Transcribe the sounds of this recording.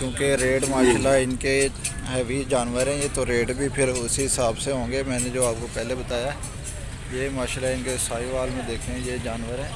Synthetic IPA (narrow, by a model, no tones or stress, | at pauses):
kjõːkeɾeːɖmaːʃlaɪnke | ɦɛʋid͡ʒaːnʋəɾɦɛ̃jeːt̪oɾeːɖbʱipʰɪɾʊsiɦɪsaːbseɦõːŋɡemɛ̃ːned͡ʒoːaːp̚kopɛːlebət̪aːja | jeːmaːʃlaɪnkesaːiʋaːlmẽd̪eːkʰẽɛ̃jeːd͡ʒaːnʋəɾɦɛ̃ː